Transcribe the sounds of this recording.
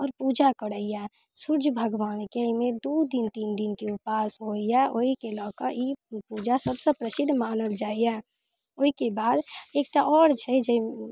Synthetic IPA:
ɔːɾpuːd͡ʒakəɽəija | sʊɾd͡ʒbʱəɡʋaːnkəimẽd̪uːd̪int̪iːnd̪ɪnkiʊpaːsɦoːijaʔoikelɔːkəɾjipuːd͡ʒasəbsepɾəsɪd̪ʱːmaːnəld͡ʒaːija | oːikebaːd̪eːkt̪aʔɔːɾt͡ʃʰəid͡ʒəi

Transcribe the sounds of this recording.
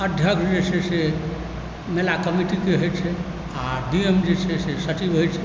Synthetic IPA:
əd̪ʱjəkʰsd͡ʒesʰese | melakəmiʈikeɦojt͡ʃʰɛ | aɖiemd͡ʒet͡ʃʰɛsesət͡ʃibɦojt͡ʃʰɛ

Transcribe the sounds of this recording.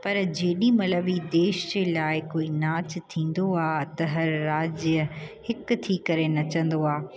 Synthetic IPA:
pɐɾd͡ʑeːɗimɐləʋid̪eːʃd͡ʑeːlaːɪkoːinaːt͡ɕt̪ʰĩːn̆d̪oaːt̪ɐɦɐɾːaːd͡ʑəhɪkt̪ʰiːkɐɾenɐt͡ɕɐ̃n̆d̪oaː

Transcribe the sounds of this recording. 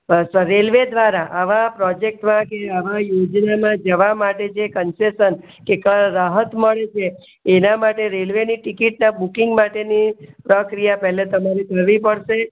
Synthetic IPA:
səɾelʋed̪ʋaɾaʔaʋãpɾɔd͡ʒek̚ʈmãkeaʋãjod͡ʒnamãd͡ʒəʋamaʈet͡ʃʰekənsesən | kekəɾaɦət̪məɭet͡ʃʰeː | namaʈeɾelʋeniʈikiʈnabukiŋɡmaʈenipɾəkɾijapɛɦlet̪əmaɾekəɾʋipəɽʃe

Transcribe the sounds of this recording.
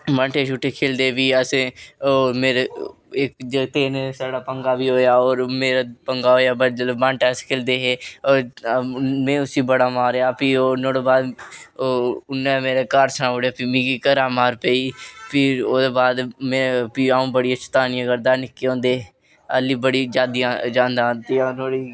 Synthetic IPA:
bəɳʈeːʃuːʈːeːkʰeːld̪eːbiːəsẽoːɾmeːɾe | ekd͡ʒet̪eːnesaːɽaːpəŋɡaːbiːɦoːjaːoːɾmeːɾapəŋɡaːɦoːjaːbəd͡ʒlbãɳʈɛːskʰeːld̪eːɦeːoːɾ | mɛ̃ːʊsiːbəɽaːmaːɾejaːpiːonõːɽoːbaːd̪ | ʊnːɛ̃ːmeːɾeːkaːɾsənaːɦoːɽeaːpimĩːkiːkəɾaːmaːɾpeːiːpʰɪɾoːd̪eːbaːd̪mɛ̃ːpiaːũːbəɽɪjaːt͡ʃə̥t̪aːnɪjãɡəɾd̪aːnɪkːeːõːnd̪eː | əliːbəɽiːd͡ʒaːd̪ijãːd͡ʒãːnd̪aːt̪ɪjãːnoːɽiː

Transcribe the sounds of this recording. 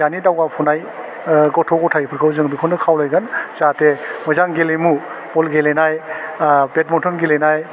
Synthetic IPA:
janidawɡapʰunaj | ɡɔtʰɔkɔtʰajpʰɯɾkʰɯwzɯŋbikʰɔndɯkʰawlajɡanzatemɔjzaŋɡelemu | pɔlɡelenaj | bet̚mɔntʰɔnɡelenaj

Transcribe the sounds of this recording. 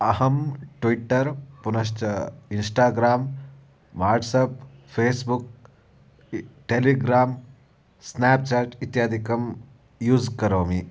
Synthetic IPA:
ɐɦɐmʈʋiʈːɐɾpunɐʃ̬ʈɐinsʈaːɡɾaːm | ʋaːɾʈsɐppʰeːsbuk̚ | ʈeliɡɾaːm | sneːp̚t͡ʃaːʈit̪jaːd̪ʱikɐm | juːd͡ʒkɐɾoːmi

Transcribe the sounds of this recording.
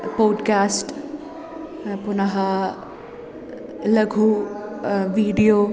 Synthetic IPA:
poːɖkaːsʈ | punɐɦɐ | lɐɡʱu | ʋiːɖijoː

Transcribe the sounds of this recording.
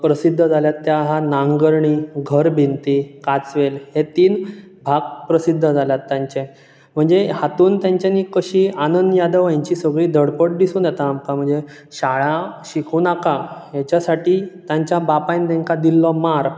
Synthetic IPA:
pɾəsid̪ʱːəd͡zʱaljat̪ːjaɦanaŋɡəɾɳiːɡʱəɾbʱint̪ikat͡sʋelɦet̪iːn | bʱaɡ̚pɾəsid̪ʱːəd͡zʱaljat̪ːjaɲt͡ɕe | m̤əɳd͡zehat̪uːnt̪jãɲt͡ɕaniːkəɕiːanənd̪əjad̪əʋjaɲt͡ɕiːsəɡɭiːd̪ʱəɽpəʈ̚d̪isuːnjɛt̪aːmkam̤əɳd͡ze | ɕaɭaɕikʰuːnakajat͡ɕasaʈiːt̪jaɲt͡ɕjabapajnd̪eŋkad̪ilːɔmaɾ

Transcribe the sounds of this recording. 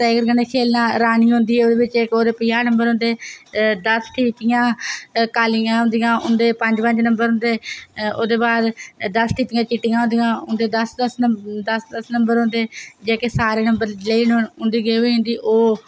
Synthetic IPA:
t̪eːɡəɾɡəneːkʰeːlnãːɾaːniːɦʊ̃nd̪iːɛoːd̪eːbɪt͡ʃekoːd̪eːpɪjaːnəmbəɾɦõːnd̪eːd̪əsʈʰiːt̪ɪjãːkaːlɪjãːɦʊ̃nd̪ijãːʊnd̪eːpəɲd͡ʒpə̃ɲd͡ʒnəmbəɾɦʊ̃nd̪eːoːd̪eːbaːd̪d̪əsʈʰiːp̪ɪjãːt͡ʃɪʈːɪjãːɦʊ̃nd̪ijãːɦʊnd̪eːd̪əsd̪əsd̪əsd̪əsnəmbəɾɦʊ̃nd̪eːd͡ʒeːkeːsaːɾeːnəmbəɾleiːnɦʊ̃nd̪iːɡeːoiːɦʊ̃nd̪iːʔoː

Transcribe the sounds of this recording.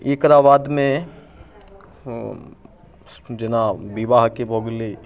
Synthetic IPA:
ikɾaːʋaːd̪mẽ | d͡ʒɪnabiʋaɦkiboɡli

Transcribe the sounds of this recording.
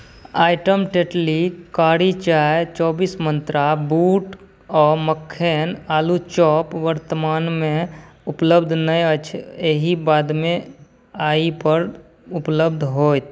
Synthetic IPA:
aːɪʈəmʈeʈlikaːɽit͡ʃaːet͡ʃɔːbismə̃nt̪ɾabuːʈ | ɔːməkʰːeːnaːlut͡ʃɔːpʋəɾt̪əmaːnmẽupləbd̪ʱnəjət͡ʃʰeɦibaːd̪mẽ | aːipəɾ | upləbd̪ʱɦoːt̪

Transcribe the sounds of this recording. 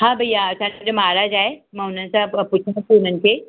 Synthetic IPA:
ɦãːbʱəjasãːmd͡ʑomaːɾaːd͡ʒaːemãːʊn̤ənɪ̆sãpʊt͡ʃʰãkuʊn̤ənɪ̆kʰeː

